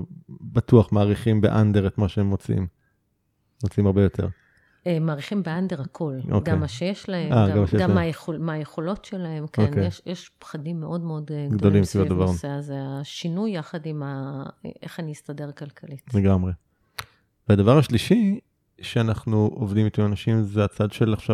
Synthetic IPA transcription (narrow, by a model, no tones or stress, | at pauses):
bat̪uaχmaːʁiχimbḛʔand̪eʁet̪maʃeemːot͡sḭm | mot͡simaʁbejo̞t̪ʰe̞̰ʁ | emaːʁiχimbeandeʁakʰo̞lo̰ɡaemːaʃejeʃlaheaɡamaʃjeɡamajeχomajeχo̞lo̞tʃelae̞mkonkeeʃjeʃpχadimːeʔo̞dmeo̞dɡd̪olimsivodavaʁeazeaʃinujːaχadimaʔeχaniist̪ade̞ʁkalkʰalitleɡamʁe | vead̪avaʁaʃliʃi | ʃeanaχnuʔovd̪imit̪uanaʃimzeat͡sad̪ʃelaχʃa